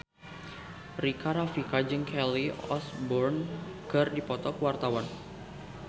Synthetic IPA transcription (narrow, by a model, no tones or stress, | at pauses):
rikaɾafikad͡ʒɨŋkʰɛliɔ̰sbɔrnkərdipɔt̪ɔkwart̪awan